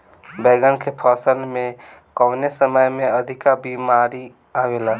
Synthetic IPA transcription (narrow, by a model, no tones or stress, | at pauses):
beɡənkʰepʰəsəlme | kəwnesəməjmeəd̪ʱikabimaɾi | aʋela